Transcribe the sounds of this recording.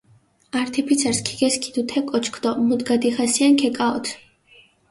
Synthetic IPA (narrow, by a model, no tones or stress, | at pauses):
aɾt̪ʰɛpʰit̪sʰɛɾskʰi̥ɡɛskʰid̪ut̪ʰɛkʼɔt͡ʃʰkʰd̪ɔmud̪ɡad̪iχasiankʰɛkʼaɔt̪ʰ